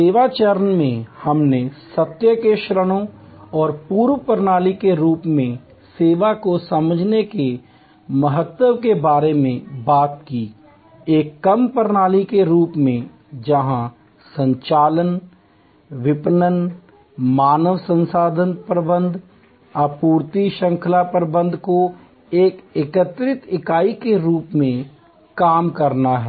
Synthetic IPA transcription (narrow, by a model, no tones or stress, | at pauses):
seːʋat͡ʃəɾənmẽhɐmnesɐt̪jəkeʃɾəɽ̃õɔːɾpuːɾʋpəɾnaːlikeɾuːpmẽ | seːʋakosɐməd͡ʒʱneke | mɐɦət̪wəʋkebaːɾemẽbaːt̪kiː | eːkːɐmpəɾnaːlikeɾuːpmẽ | d͡ʒɐɦã | sə̃ɲt͡ʃaːlən | ʋɪpnən | maːnəʋsə̃nsaːd̪ʱənpɾəbə̃nd̪ʱ | apuːɾt̪iʃə̃ŋkʰəlapɾəbə̃nd̪ʱko | eːkeːkət̪ɾɪt̪ɪkaːikeɾuːpmẽ | kaːmkɐɾnaɦɛː